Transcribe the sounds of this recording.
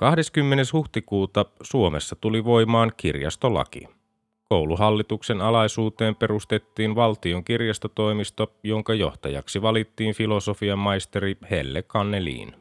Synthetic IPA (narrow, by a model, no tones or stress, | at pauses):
kɑhde̞skymːe̞ne̞shuht̪ikuːt̪ɑsuo̞me̞sːɑt̪uliʋo̞imɑːŋkirjɑ̰st̪o̞lɑ̰k̟ḭ | ko̞wluɦɑlːit̪ukse̞nɑlɑjsuːt̪e̞ːmpe̞ɾust̪e̞t̪ːiːnʋɑlt̪io̞ŋkirjɑst̪ot̪o̞imist̪ojo̞ŋkɑjo̞̰ht̪ɑjɑ̰ksiʋɑlit̪ːiːnfilo̞so̞fiɑmːɑjst̪eɾihḛlːekɑnːelḭːn